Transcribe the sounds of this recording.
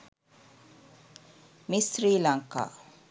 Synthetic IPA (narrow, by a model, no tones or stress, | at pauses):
misɾiːlaŋka̰ː